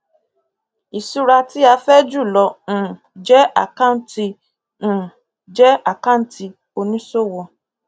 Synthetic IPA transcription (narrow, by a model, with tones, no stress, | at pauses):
i˨su˦ɾa˧ti˦a˧fɛ˦d͡ʒu˦˨lɔ̃˧˦˨ | d͡ʒɛ˦a˦˨kã˦˨˦n˦tĩ˧˨ | d͡ʒɛ˦a˦˨ka˦˨˦n˦tʰi˧ | o˧nĩ˦so˦˨wɔ˧